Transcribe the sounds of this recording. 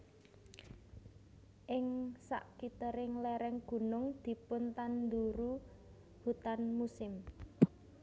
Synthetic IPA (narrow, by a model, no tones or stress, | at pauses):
ʔɪŋsa̰ʔkit̪əɾɪŋlɛɾɛŋɡ̥ṳnʊŋd̪̥i̤pʊnt̪and̪uɾu | b̥ut̪anmusɪm